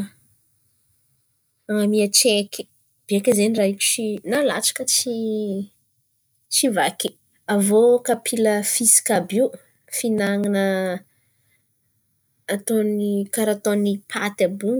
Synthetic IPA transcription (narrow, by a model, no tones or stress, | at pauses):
aŋamiət͡ʃeki̥ | b̥iekʲəzeniraiku̥t͡ʃinala̰t͡ʃḁkət͡ʃi | t͡ʃivaki | avokapʰiləfisi̥kabiu | finaŋanə | t̪onikaɾat̪onipʰat̪abu